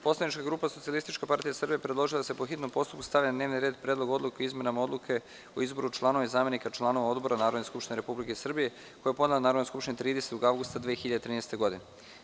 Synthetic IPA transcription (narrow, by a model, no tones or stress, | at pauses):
po̞slˠad̪nit͡ʃkaɡɾuːpaso̞t̪sialist̪it͡ʃkapaɾt̪ijasr̩bijepɾe̞d̪lˠo̞ʒilad̪asepo̞xit̪no̞mpo̞st̪upkust̪aʋjanad̪ne̞ːʋniɾeːd̪pɾʲed̪lo̞ɡo̞d̪lˠukeoizme̞namao̞d̪lukʰe̞ | oizbo̞ɾut͡ʃlˠano̞ʋeizaːme̞nikat͡ʃlˠano̞ʋao̞d̪bo̞ɾanaːɾod̪neskupʃt̪ineɾe̞publikeisr̩bije̞ | kojapo̞d̪elanaːɾod̪neskupʃt̪inet̪ɾiːd̪eset̪oɡaʋɡust̪ad̪ʋeːexiʎad̪et̪ɾiːnest̪e̞ɡo̞d̪ine